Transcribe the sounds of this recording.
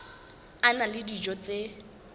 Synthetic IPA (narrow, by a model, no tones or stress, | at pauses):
analɪdid͡ʒɔt͡se